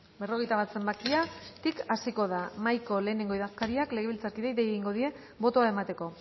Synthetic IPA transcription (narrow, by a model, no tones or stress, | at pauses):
be̞ro̞ɣ̞e̞jt̪aβat̪se̞mbakiat̪ikasiko̞ðamajko̞le̞ːneŋɡo̞iðakaɾiakle̞ɣe̞βilt͡saɾkiðeiðejeɣiŋɡo̞ðie̞ | bo̞t̪o̞ae̞mat̪e̞ko̞